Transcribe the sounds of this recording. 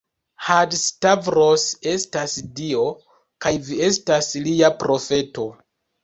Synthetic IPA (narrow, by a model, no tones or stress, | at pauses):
hadstavɾose̞stasdio̞ | kajvie̞stasliapɾo̞fe̞to̞